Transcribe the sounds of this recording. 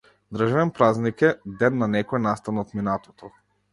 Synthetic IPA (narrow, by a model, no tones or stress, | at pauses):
d̪ɾəʒavɛnpɾaznikɛd̪ɛnːanɛkɔɛnast̪anɔt̪minat̪ɔt̪ɔ